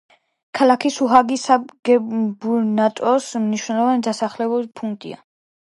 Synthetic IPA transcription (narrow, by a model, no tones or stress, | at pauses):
kʰalakʰisuɦaɡisaɡ̥ɛbunat̪ʼɔsmniʃwnɛlˠɔvanid̪asaχlɛbulipʰuŋkt̪ʼḭa̰